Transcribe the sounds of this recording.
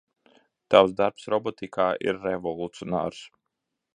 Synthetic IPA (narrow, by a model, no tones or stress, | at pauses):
t̪awzd̪aɾpsɾɔbɔt̪ikʰaːʔḭɾːevɔlˠut̪siɔna̰ːɾs